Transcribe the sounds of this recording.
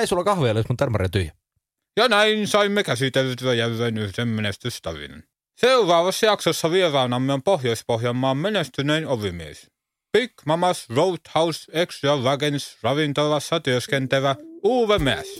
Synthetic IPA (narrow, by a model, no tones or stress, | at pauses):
æjsolɑkɑhʋeɑlesmut̪ːærmɑɾḛt̪yjæ | jɑnæinsɑimːekæsit̪elt̪yæjærːeːnyhd̥̪emmenest̪yst̪ɑʋḭnḛn | seurɑːʋɑsːɑjɑksosːɑʋierɑːnɑmːeompohjoispohjɑmːɑːmmenest̪yneinoʋimiḛs | pikmɑmɑsrout̪hɑwseksjɑlɑɡensrɑʋint̪ɑʋɑsːɑt̪yøskent̪æʋæuːʋemeæ̰s